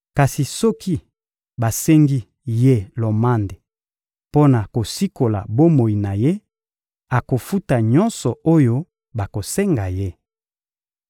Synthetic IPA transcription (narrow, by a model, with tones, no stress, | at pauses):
ka˨si˨sɔ˦kʰi˦ | ba˨se˦ŋɡi˦ | je˦lo˨ma˦nde˨ | po˦na˨ko˨si˦ko˨la̰˨bo˦mo˨i˨na˨je˦ | a˨ko˨fu˦ta˨ɲɔ˦nsɔ˨o˦jo˦ | ba˨ko˨se˦ŋɡa˨je˦